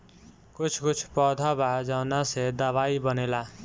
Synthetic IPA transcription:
kut͡sʰkut͡sʰpʌd̪ʱabad͡zawnased̪ʌβaibʌnela

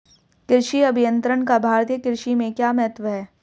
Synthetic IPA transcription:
kɪɾʃiɐbʱijə̃nt̪ɾəɳkabʱaːɾt̪ijəkɪɾʃimẽkjaːmɛɦt̪ʋəɦɛː

